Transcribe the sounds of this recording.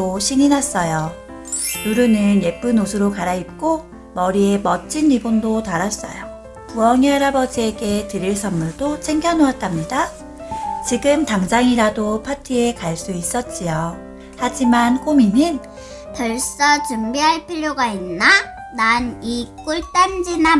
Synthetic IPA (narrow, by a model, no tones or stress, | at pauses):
oɕʰiɲinas͈ʌjo | juɾunɯnje̞p͈unosʰɯɾokaɾaip̚k͈o | mʌɾie̞mʌt͡ɕ͈ʰinibondotaɾas͈ʌ̰jo | puʌŋʌɾabʌd͡ʑie̞ɡe̞tɯɾiɭs͈ʰʌmːuɭdot͡ɕʰeŋɡjʌnoat̚t͈amɲida | t͡ɕiɡɯmtaŋd͡ʑaŋiɾadopʰatʰie̞kaɭs͈uis͈ʌt̚t͡ɕ͈ijo | had͡ʑimank͈ominɯn | pʌɭs͈ʌt͡ɕumbiɦaɭpʰiʎjoɡainːa | nanik͈uɭt͈and͡ʑina